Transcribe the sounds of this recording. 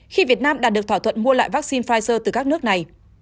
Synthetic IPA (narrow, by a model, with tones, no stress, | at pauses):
xi˧vi˨˩ət̚naː˧mɗaː˨˩ɗɨ˨˩ət̪ʰːt̪ʰə̰˧˨nmu˧əla̰ː˧˨jvaː˦˥k̚si˧nfaː˧jsəː˧t̪ɨ˨˩kaː˦˥k̚nɨ˦˥ək̚na˨˩j